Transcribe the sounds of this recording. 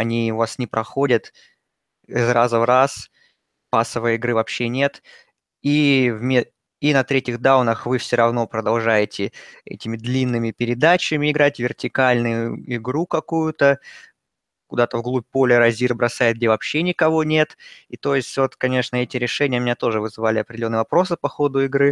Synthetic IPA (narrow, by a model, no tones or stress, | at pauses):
ɐnʲiʊvasnʲɪpɾɐxo̞dʲət̪ | zɾazəvras | pasːəvɨjɪɡɾɨvɐpɕːenʲe̞t̪ | ivmʲe | inɐt̪ɾʲetʲɪɣd̪aʊnəxvɨfsʲoɾɐvn̪o̞pɾəd̪ɐlˠʐajɪtʲɪɛ̰tʲɪmʲɪd̪lʲinːɨmʲɪpʲɪɾʲɪd̪at͡ɕɨmʲɪɪɡɾatʲvʲɪrtʲɪkalʲnʊjʊɪɡɾukɐkujʊt̪ə | kʊd̪at̪əvɡlˠupʲpo̞lʲɪɾɐzʲirbɾɐsajɪt̪̚ɡ̚dʲevɐpɕːenʲɪkɐvo̞nʲe̞t̪it̪o̞jɪsʲtʲvo̞t̪kɐnʲe̞ʂnəɛtʲɪɾʲɪʂɛnʲɪjəmɪnʲat̪o̞ʐɨvɨzɨvalʲɪɐpɾʲdɪlonːɨjəvɐpɾo̞sɨpɐxo̞d̪ʊɪɡɾɨ